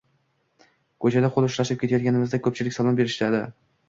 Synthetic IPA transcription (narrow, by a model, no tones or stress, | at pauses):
kʰɵt͡ʃʰad̪aqʰolˠʊʃɾaʃɪp̚kʲe̞t̪ajɒt̪̚kʲanɪmɪzd̪akʰɵp̚t͡ʃʰɪlɪkʲsalˠambe̞ɾɪʃlad̪ɪ